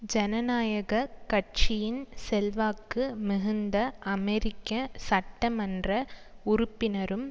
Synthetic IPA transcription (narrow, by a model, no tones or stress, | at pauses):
d͡ʒɛnɐnaːjɐɣɐkɐʈ̚t͡ʃɪjɪnsɛlʋaːkːɯmɪɣɯnd̪ɐʔɐmɛɾɪkːɐsɐʈːɐmɐndrɐʊɾʊpːɪnɐɾɯm